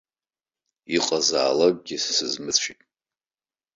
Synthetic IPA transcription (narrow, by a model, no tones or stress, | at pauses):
iqʼaza̰ːlakʷʼɡʲisɨzmɨt͡sʷʰitʼ